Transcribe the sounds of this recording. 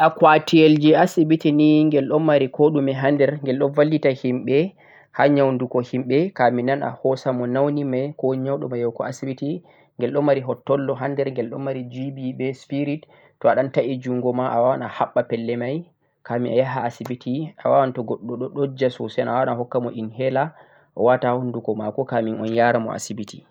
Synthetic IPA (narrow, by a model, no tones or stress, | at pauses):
ʔakwatield͡ʒiasibitiniŋɡɛlɗɔmmːaɾikɔɗumɛɦandɛɾŋɡɛlɗɔnvalːitahimɓɛ | haɲawndukɔhimɓɛkaminana̰hɔsamɔnawnimajkɔɲawɗɔmajɔwkɔ̰asibiti | ŋɡɛlɗɔmːaɾiɦɔtːɔlːɔɦandɛɾŋɡɛlɗɔmːaɾid͡ʒibibɛspiɾitː | ɔaɗantaʔid͡ʒuŋɡɔmaʔawawanahaɓːapɛlːɛmaj | kamiʔa̰jaɦaːsibitʰia̰wawantɔɡɔɗːɔɗɔɗod͡ʒasɔsanawanaɦɔkːamɔʔinhɛla | ʔɔ̰watahɔndukɔmakɔkaminɔnjaɾamɔ̰ʔa̰sibiti